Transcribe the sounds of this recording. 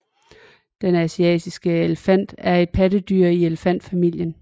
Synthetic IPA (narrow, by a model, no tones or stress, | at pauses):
d̥enæsiɛ̰ːd̥isɡ̥əeləfæn̰d̥æɐe̝d̥̚pʰædəd̥yɐ̰ieləfæn̰d̥fæmil̰jən